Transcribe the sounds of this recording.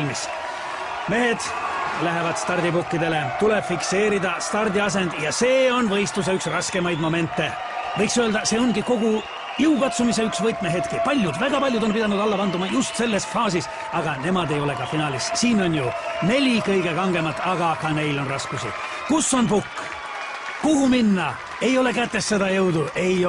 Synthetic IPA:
mis | me̞ɦe̞d̪̥ | læɦe̞vɑd̪̥st̪ɑrd̪ipukːid̪e̞le̞t̪ule̞b̥fikse̞ːɾid̪ɑst̪ɑrd̪iɑs̬e̞nd̪̥jɑse̞ːo̞nvɤ̞jst̪us̬eyksrɑske̞mɑjd̪mo̞me̞nt̪ˑːe̞ | vɤjksøeld̪̥ɑse̞ːo̞nɡiko̞ɡu | jiukɑt̪sumis̬eyksvɤt̪ˑmeɦe̞t̪kipɑlʲjud̪væɡ̥ɑpɑlʲjud̪ompid̪ɑnud̪̥ɑlːɑpɑnd̪umɑjust̪se̞lːe̞sfɑːsis | ɑɡ̥ɑne̞mɑd̪e̞jo̞le̞kɑfinɑːlissiːno̞njune̞lʲikɤjɡ̥e̞kɑŋɡ̥e̞mɑt̪ːˑɑɡɑkɑne̞jlo̞nrɑskusḭ | kusːo̞npukː | kuɦuminːɑ | ejo̞le̞kæt̪ːe̞sːed̪̥ɑjɤwd̪ue̞j

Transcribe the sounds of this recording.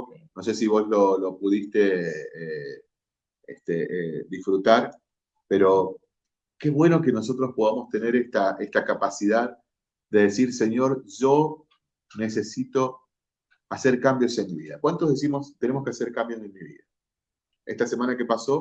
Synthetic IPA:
no̞s̬e̞siβo̞slo̞lo̞puðist̪e̞e | ḛht̪eʔeðisfɾut̪aɾ | pe̞ɾo̞ | keβwe̞no̞ke̞no̞so̞t̪ɾo̞spoðamo̞st̪ene̞ɾest̪aest̪akapasiðað | d̪e̞ðesiɾse̞ɲo̞ɾʒo | nese̞sit̪o̞ | ase̞ɾkambjo̞senmiβiða̰kwant̪ozðes̬imo̞st̪ene̞moskease̞ɾkambjose̞nmiβḭða | est̪ase̞manakepaso̞

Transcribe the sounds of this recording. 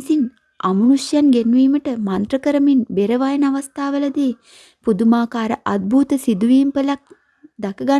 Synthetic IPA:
sin | a̰mənusjanɡenʋiːməʈəmant̪rəkəɾəminbeɾəʋajənaʋast̪aːʋəlɐd̪eː | pud̪umaːkaːɾəʔad̪̚bʱuːt̪əsid̪uʋiːmpəlak̚ | d̪akəɡa

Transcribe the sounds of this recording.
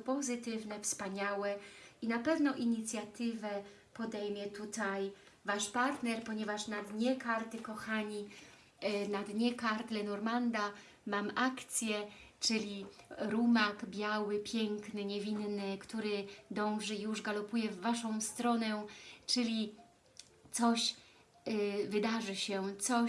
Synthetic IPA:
pɔzɘt̪ɘvnɛfspaɲawɛinapɛvnɔʔiɲit̪sʲjat̪ɘvɛ | pɔd̪ɛjmʲjɛt̪ut̪aj | vaʂpaɾt̪nɛɾpɔɲɛvaʂnad̪ɲɛkaɾt̪ɘkɔxaɲi | nad̪ɲɛkaɾt̪lɛnɔɾmand̪a | mamʔakt̪sʲjɛt͡ʂɘlʲiɾumakbʲjawɘpʲjɛŋknɘɲɛvʲinnɘkt̪uɾɘd̪ɔ̃w̃ʐɘijuʐɡalɔpujɛvːaʂɔ̃w̃st̪ɾɔnɛt͡ʂɘlʲi | t̪sɔɕ | vɘd̪aʐɘɕɛt̪sɔ

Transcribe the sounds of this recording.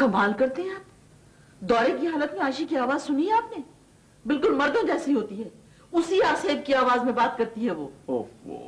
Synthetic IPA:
kɐmaːlkɐɾt̪eɦɛ̃aːt̪ | d̪ɔːɾekiɦaːlət̪mẽaːʃikiaːʋaːzsʊniɦɛaːpne | bɪlkʊlmɐɾd̪õd͡ʒɛːsiɦoːt̪iɦɛː | ʊsiaːseːb̚kiaːʋaːzmẽbaːt̪̚kɐɾt̪iɦɛʋoːoo̰

